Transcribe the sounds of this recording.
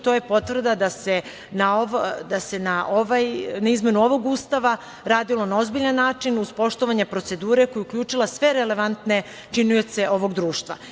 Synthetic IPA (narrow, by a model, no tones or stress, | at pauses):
t̪oːje̞po̞t̪ʋr̩d̪ad̪ase | naoʋd̪ase̞naʔoʋajnaizme̞nuoʋo̞ɡuːst̪aʋa | ɾaːd̪ilo̞nao̞zbiʎanːaːt͡ʃinuzpo̞ʃt̪o̞ʋaɲepɾo̞t̪se̞d̪uːɾe̞ko̞juukʎʲuːt͡ʂilˠasʋe̞ɾele̞ʋant̪ne̞ | t͡ʃinujet̪se̞ʔo̞ʋo̞ɡd̪ɾuːʃt̪ʋa̰